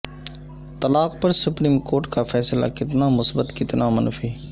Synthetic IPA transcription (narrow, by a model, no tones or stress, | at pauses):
t̪əlaːqpəɾsʊpɾiːmkoːɾʈkafʰɛːsla̰kɪt̪namʊsbət̪kɪt̪namənfiː